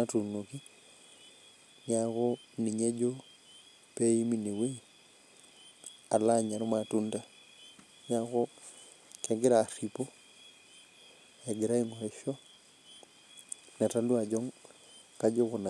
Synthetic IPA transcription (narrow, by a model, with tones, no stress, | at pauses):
atu˨no˨ki˦ | ɲakoni˨ɲe˦d͡ʒo˦ | pe˦i˦mi˦ne˨we˦ | a˨la˦ɲa˨ɾmatunda˦ | ɲako | kɛɡɪ˦ɾa˨ɾipo˦ | ɛ˨ɡi˨ɾa˦i˦ŋo˨ɾɛ˨ʃɔ˦ | na˨talu˦a˨d͡ʒɔ˦ŋ | kad͡ʒo˦kona˨